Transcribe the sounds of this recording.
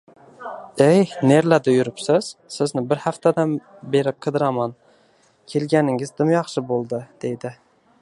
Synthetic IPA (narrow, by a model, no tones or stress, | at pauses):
ejne̞ɾlad̪ʊjʊɾɪpsɪz̥sɪznɪbɪɾhaft̪ʰad̪an | be̞ɾɪp̚qʰɨd̪ɪɾaman | kʲʰe̞lɡʲanɪŋɪzd̪ɪmjɑχʃɪbolˠd̪ɪd̪̥e̞jd̪ɪ